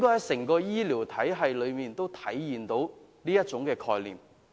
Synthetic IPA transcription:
ŋkɔː˥hɐ˨˩jsɪ˨˩ŋkɔː˧jiː˥liː˨˩wt̪ʰɐ˨˥jɦɐ˨jlɵ˨˧ɥmiː˨nt̪o˥wt̪ʰɐ˨˥jjiː˨nt̪o˨˥wniː˥jɐ˥t̚t͡sʊ˨˥ŋkɛː˧kʰɔː˧jlḭː˨˩m

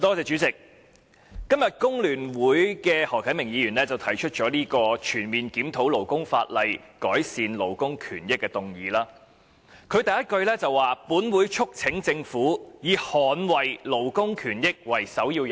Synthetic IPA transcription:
t̪ɔː˥t͡sɛː˧t͡ʃyː˨˥t͡sɪ˨k̚ː | ɐ˥mjɐ˨t̚kʊ˥ŋlyː˨˩nwuː˨˥jkɛː˧hɔː˨˩kʰɐ˨˥jmɪ˨˩ŋjiː˨˧ɥyː˨˩nlɛː˥t͡sɐ˨wt̪ʰɐ˨˩jt͡ʃʰɵ˥t̚t͡ʃɔː˨˥liː˥kɔː˧t͡ʃʰyː˨˩nmiː˨˩nkiː˨˥mt̪ʰo˨˥wlo˨˩wkʊ˥ŋfa̰ː˧t̚lɐ˨jkɔː˨˥jsiː˨˧nlo˨˩wkʊ˥ŋkʰyː˨˩njɪ˥kːɛː˧t̪ʊ˨ŋjiː˨˥laː˥ | kʰɵ˨˧ɥt̪ɐ˨jɐ˥t̚kɵ˧ɥlɛː˥t͡sɐ˨waː˨puː˨˥nwuː˨˥jt͡ʃʰʊ˥k̚t͡sʰɪ˨˥ŋt͡sɪ˧ŋfuː˨˥jiː˨˧hɔː˨nwɐ˨jlo˨˩wkʊ˥ŋkʰyː˨˩njɪ˥k̚wɐ˨˩jsɐ˨˥wjiː˧wj

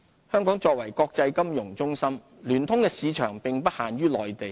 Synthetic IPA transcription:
hœː˥ŋkɔː˨˥ŋt͡sɔː˧k̚wɐ˨˩jkɔː˧k̚t͡sɐ˧jkɐ˥mjʊ˨˩ŋt͡sʊ˥ŋsɐ˥m | lyː˨˩nt̪ʰʊ˥ŋkɛː˧siː˨˧t͡ʃʰœː˨˩ŋpɪ˨ŋpɐ˥t̚haː˨nɥyː˥lɔː˨˩jt̪e˨˩j

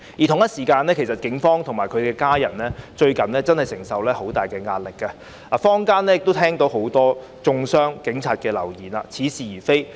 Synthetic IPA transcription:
ji˨t̪ʰʊ˨˩ŋjɐ˥t̚siː˨˩kaː˧nɛː˥kʰe˨˩jsɐ˨t̚kɪ˨˥ŋfɔː˥ŋt̪ʰʊ˨˩ŋmaː˨˩jkʰɵ˨˧ɥkɛː˧kaː˥jɐ̰˨˩nlɛː˥t͡ʃɵ˧ɥkɐ˨˩nlɛː˥t͡sɐ˥nhɐ˨˩jsɪ˨˩ŋsɐ˨wlɛː˥ho˨˥wt̪aː˨jkɛː˧ŋaː˧t̚lɪ˨kːa˧ | laː˨fɔː˥ŋkaː˥nlɛ˥jɪ˨k̚t̪o˥t̪ʰɛː˥ŋt̪o˨˥wɦo˨˥wt̪ɔː˥ | t͡sʊ˧ŋsœː˥ŋkɪ˨˥ŋt͡sʰaː˧t̚kɛː˧lɐ̰˨˩wjiː˨˩na̰ː˧t͡sʰiː˨˥siː˨˩jiː˨˩fe˥j

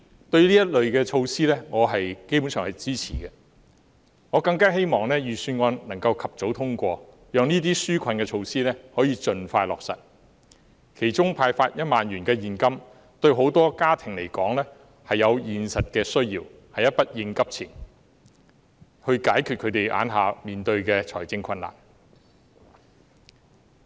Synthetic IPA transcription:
t̪ɵ˧ɥliː˥jɐ˥t̚lɵ˨ɥkɛː˧t͡ʃʰo˧wsiː˥lɛː˥ŋɔː˨˧ɦɐ˨jke˥jp̬u˨˥nsœː˨˩ŋhɐ˨jt͡siː˥t͡sʰḭː˨˩kɛ˧ | ŋɔː˨˧kɐ˧ŋkaː˥ɦe˥jmɔː˨˩ŋlɛː˥jyː˨syː˧nŋɔː˧nnɐ˨˩ŋkɐ˧wkʰɐ˨p̚t͡so˨˥wt̪ʰʊ˥ŋkʷɔː˧ | jœː˨˧ŋniː˥t̪̬iː˥syː˥kʷʰɐ˧nkɛ˧t͡ʃʰo˧wsiː˥lɛː˥hɔː˨˥jiː˧t͡ʃɵ˨˧nfaː˧jlɔ̰ː˨k̚sɐ̰˨t̚ | kʰe˨˩jt͡sʊ˥ŋpʰaː˧jfaː˧t̚jɐ˥t̚maː˨njyː˨˩nkɛː˧jiː˨˩nkɐ˥m | t̪ɵ˧ɥɦo˨˥wt̪ɔː˥kaː˥t̪ʰɪ˨˩ŋle˨˩jkɔː˨˥ŋlɛː˥ | hɐ˨jːɐ˨˧wjiː˨nsɐ˨t̚kɛː˧sɵ˥ɥjiː˧w | hɐ˨jɐ˥t̚pɐ˥t̚jɪ˧ŋkɐ˥p̚t͡sʰɪ˨˩ŋ | hɵ˧ɥkaː˨˥jkʰy˨kʰɵ˨˧t̪e˨jʔa̰ː˨˥nɦaː˨miː˨˩nt̪ɵ˧ɥkɛː˧t͡ʃʰɔː˨˩jt͡sɪ˧ŋkʰɐ˧nla̰ː˨˩n

